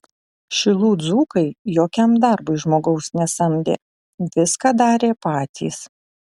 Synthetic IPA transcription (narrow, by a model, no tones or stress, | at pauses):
ʃʲɪlˠuːd̪zuːkɐɪjoːkʲɛmd̪ɑˑɾbʊɪʒmoːɡɐʊsnʲɛsɐmʲd̪ʲḛː | ʋʲɪskɑd̪ɑːɾʲeːpɑːt̪ʲʰḭːs